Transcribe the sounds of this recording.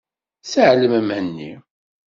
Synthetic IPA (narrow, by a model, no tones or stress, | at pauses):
səʕləmæmhənːḭ